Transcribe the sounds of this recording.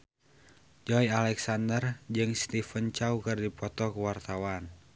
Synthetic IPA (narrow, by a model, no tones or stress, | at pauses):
d͡ʒɔjalɛksandərd͡ʒɨŋst̪ifənt͡ʃaukɨrdipɔt̪ɔkəwart̪awan